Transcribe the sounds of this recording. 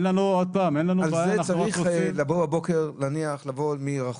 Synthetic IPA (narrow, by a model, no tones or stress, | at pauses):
nlanuod̪̚paːmenlanualaːzaaenaχt͡sauaiχuslaboabokeʁlaniaχlavolmiʁaχ